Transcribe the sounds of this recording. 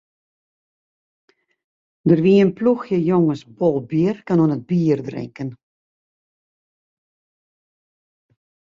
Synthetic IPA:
dərʋiənpluxjəjoŋəsbolˠbjərkanuənət̚biːərdrɪ̰ŋkən

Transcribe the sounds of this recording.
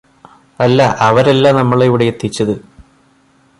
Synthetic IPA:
ɐlːɐʔɐʋɐɾɐlːanɐmːɐɭeʋiɽejet̪ʰːit͡ɕːɐðɨ

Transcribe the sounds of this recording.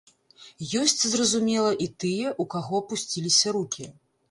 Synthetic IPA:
jɔsʲt͡sʲzrɐzumʲɛlˠɐʔit̪ɨjɛʔukaɣɔpusʲt͡sʲilʲisʲɐɾukʲʰi

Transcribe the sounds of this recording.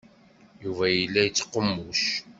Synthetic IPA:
juvæjəlːæjət͡sːə̥qːəmːuʃ

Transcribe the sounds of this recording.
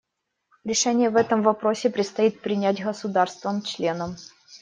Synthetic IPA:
ɾʲɪʂɛnʲɪjəvɛt̪əmvɐpɾosʲɪpɾʲɪt̪st̪ɐit̪̚pɾʲɪnʲætʲɣəsʊd̪arst̪vəmt͡ɕlʲe̞nəm

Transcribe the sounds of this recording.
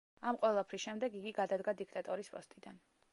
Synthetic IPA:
amqʼwɛlˠapʰɾisʃɛmd̪ɛɡiɡiɡad̪ad̪ɡad̪ik̚ʰt̪ʼat̪ʼɔɾispʼɔ̰st̪ʼid̪an

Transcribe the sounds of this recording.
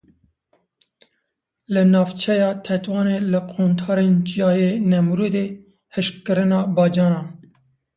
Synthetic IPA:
lɨnɑːvt͡ʃʰɛjɑːt̪ʰɛt̪wɑːneːlɨqʰoːnt̪ʰɑːɾeːnt͡ʃijɑːjenɛmɾuːd̪e | hɨʃkɨɾɨnɑːbɑːd͡ʒɑːnɑː

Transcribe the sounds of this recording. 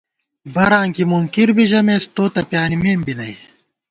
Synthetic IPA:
bɐɾãːŋkimuŋkiɾbiʑɐmest̪oːt̪ɐpjaːnimeːmbinɐi

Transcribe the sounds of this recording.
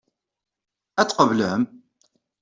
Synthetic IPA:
æt͡sːqəvləm

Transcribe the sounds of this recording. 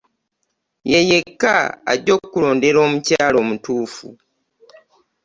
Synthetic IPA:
jeje̞kːa̰ːɟo̞kːulo̞ːnde̞ɾo̞ːmucaːlo̞ːmutuːfṵ

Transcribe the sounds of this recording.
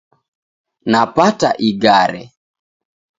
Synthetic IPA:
napataʔiɡaɾɛ

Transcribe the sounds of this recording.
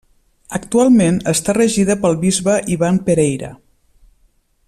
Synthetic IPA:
əkt̪ualˠmenəst̪arəʒiðəpəlˠβizβəʔiβampəɾɛjɾə̰

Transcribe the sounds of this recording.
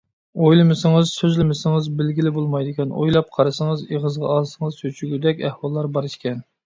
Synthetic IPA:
ojlˠɨmɪsɪŋɨzsøzlɪmɪsɪŋəzbɪlɡʲilɪbolˠmɑjd̪ɪkʲʰɛno̰jlˠɑp̚qʰɑɾɨsəŋəzeʁəzʁɑ̰ɑlˠsɨŋəzjøt͡ʃʰyɡʲyd̪ɛkʲɛhwɑlˠːɑɾbɑɾɨʃkʲɛn

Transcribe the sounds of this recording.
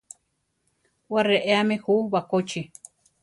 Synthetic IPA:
wareʔeamẽhuwakot͡ʃi

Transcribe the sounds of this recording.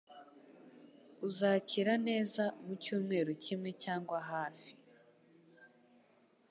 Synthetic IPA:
uzaːciɾane̞ːzamucuːmŋe̞ːɾocimŋe̞caːŋɡwaɦaːfi

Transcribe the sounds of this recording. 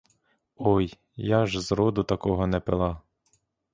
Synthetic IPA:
ɔj | jɑʒzɾɔd̪ʊt̪ɐkɔɦɔnɛpelˠɑ

